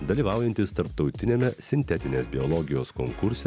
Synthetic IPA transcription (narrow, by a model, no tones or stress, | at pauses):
d̪ɐlʲiːʋɑˑʊjɛnʲt̪ʲɪst̪ɐɾpt̪ɒʊt̪ʲɪnʲemʲɛsʲɪnʲt̪ʲɛt̪ʲɪnʲeːsbʲɪolˠɔɡʲɪjoːskoːŋkʊɾʲsʲɛ